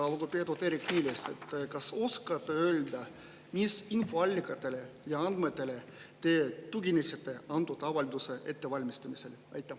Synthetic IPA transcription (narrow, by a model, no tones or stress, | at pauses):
ɑlɡ̥oped̪ot̪eːɾikniːlest̪et̪ːkɑso̞skɑt̪ːˑeø̞ld̪ɑ | misinfo̞ɑlʲːikːˑɑt̪ːˑe̞le̞jɑɑnd̪met̪ːˑe̞le̞t̪e̞ːt̪uɡinesɑt̪ːe̞ɑnt̪ːut̪ɑvɑlʲid̪use̞ʔe̞t̪ːe̞vɑlʲmist̪ɑmise̞lɑ̰jt̪ːˑɑ